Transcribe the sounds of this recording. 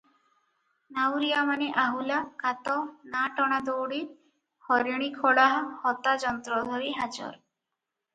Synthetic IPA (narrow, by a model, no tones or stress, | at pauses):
nawɾijamaneʔaɦulakat̪ɔnaʈɔɽ̃ad̪owɽi | hɔɾiɽ̃ikʰɔɽaɦɔhɔt̪ad͡ʒɔnt̪ɾɔd̪ʱɔɾiɦad͡ʒɔ̰ɾ